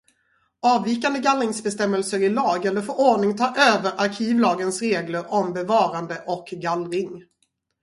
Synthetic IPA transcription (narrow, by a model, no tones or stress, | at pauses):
ɑːvːiːkand̪əɡalɾɪŋsbɛst̪ɛmːəlsəɾɪlɑːɡɛlːəɾfooːɳɪŋt̪ʰɑːʔøːvəɾʔaɾkʰiːvlɑːɡənsɾeːɡləɾɔmbɛvɑːɾand̪əʔɔkɡalɾɪŋ